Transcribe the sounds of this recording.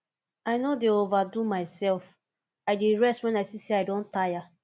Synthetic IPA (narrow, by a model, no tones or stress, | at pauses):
aɪnodeovadumaɪsɛlf | aɪdeɹɛstwɛ̃naɪsiseaɪdõntaja